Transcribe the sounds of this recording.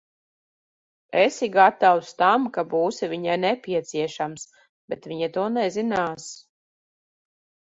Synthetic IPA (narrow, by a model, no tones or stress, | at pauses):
ɛsiɡat̪awst̪amkabuːsivʲiɲajnɛpʲiɛt̪siɛʃams | b̥ɛt̪viɲat̪uɔnɛzinaːs